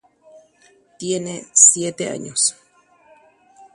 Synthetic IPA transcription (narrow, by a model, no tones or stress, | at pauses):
t̪jenesjet̪ea̰ɲos